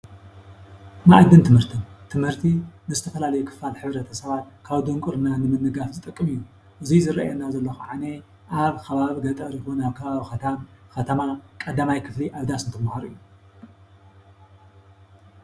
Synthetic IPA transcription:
naʔd̪ɨnt̪ʰɨmhɨɾt̪ʰomt̪ʰɨmhɨɾt̪ʰinɨzɨt̪ʰɐfɐlalɐjukʰɨ̥falħɨβɾɐt̪ʰɐsɐβat̪̚kʰaβd̪ɨŋkʼuɾɨnanɨmɨnːɨɡafzɨt̪ʼɨkʼːɨmɨjːu | ʔɨzizɨɾa̰ʔjɛnːazɐlːɐxuʕane | ʔaβkʰɐβaβiɡɐt̪ʼɐɾjixunaβkʰɐβaβixɐt̪ʰamxɐt̪ʰɐmakʼɐd̪amajkʰɨfliʔaβd̪asɨnt̪ʰɨmahaɾɨjːu

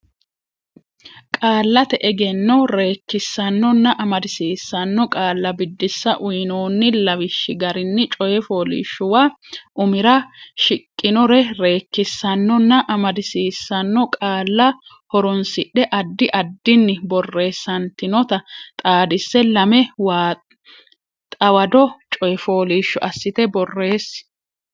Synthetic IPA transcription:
kʼaːlːɐt̪ɛʔɛɡɛnːɔɾe̞ːkːɪsːɐnːɔnːɐʔɐmɐd̪ɪsiːsːɐnːɔkʼaːlːɐbɪd̪ːɪsːɐʔʊjnoːnːɪlɐwɪʃːɪɡɐɾɪnːɪt͡ʃʼɔjɛfoːlɪ̰ʃːʊwaː | ʔʊmɪɾɐʃɪkʼːɪnɔɾɛɾe̞ːkːɪsːɐnːɔnːɐʔɐmɐd̪ɪsiːsːɐnːɔkʼaːlːɐ | hɔɾʊnsɪɗɛʔɐd̪ːɪʔɐd̪ːɪnːɪbɔrːe̞ːsːɐnt̪ɪnɔt̪ɐt̪ʼaːd̪ɪsːɛlɐmɛwaː | t̪ʼɐwɐd̪ɔt͡ʃʼɔjɛfo̞ːliːʃːʊʔɐsːɪt̪ɛbɔrːe̞ːs

